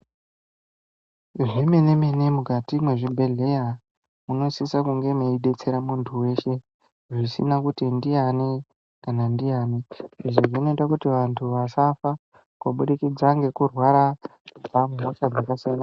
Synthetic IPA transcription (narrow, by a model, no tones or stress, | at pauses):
ʐimene̞menemukatimwe̞ʐibʱe̞ɮe̞ja | muno̞sisakuŋɡe̞meiɗe̞t͡se̞ɾamuntʰuwe̞ʃe̞ | ʐisḭnakutindiane | kanandiaːneiʐoʐino̞itakutiʋantʰuʋasafa | kwoɓuɗikid͡zaŋɡe̞kurwaɾakub͡vammoʃad͡zakasiana